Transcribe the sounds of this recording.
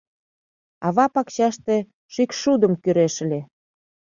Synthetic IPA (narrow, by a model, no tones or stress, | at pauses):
ɑβɑpɑkɕɑʃt̪e | ʃikʃud̪əmkyɾeʃlʲe